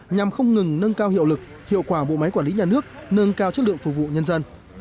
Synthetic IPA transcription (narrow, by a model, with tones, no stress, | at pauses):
ɲa˨˩mxə˧wŋ͡mŋɨ˨˩ŋnə˧nkaː˧whḭ˧əwlɨ˨˩k̚ | hḭ˧˨əwkwaː˧˩ɓo̰˧˨ma˨˦jkwaː˧˩nli˨˦ɲaː˨˩nɨ˦˥ək̚nə˧nkaː˧wt͡ɕə˦˥t̚lɨ̰˧˨əŋfu˨˩vṵ˧˨ɲə˧nzə˧n